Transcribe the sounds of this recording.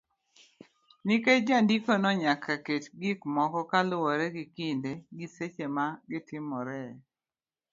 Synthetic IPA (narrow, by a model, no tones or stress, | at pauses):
nɪkejd͡ʒandikɔnɔɲakʰaketɡɪkmɔkɔkalʊwɔɾɛɡɪkindeɡiset͡ʃemaɡɪtɪmɔɾɛ